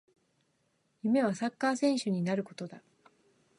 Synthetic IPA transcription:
jɯme̞β̞asakːaːsẽ̞ɰ̃ɕɨɲ̟inaɾɯ̟ko̞t̪o̞d̪a

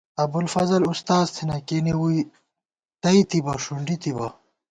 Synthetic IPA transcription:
ɐbulfɐzɐlust̪aːzt̪ʰinɐkenewui | t̪ɐit̪ibɐʂuɳɖit̪ibɐ̰

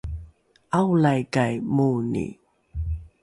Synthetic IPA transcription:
awlajɡajmonḭ

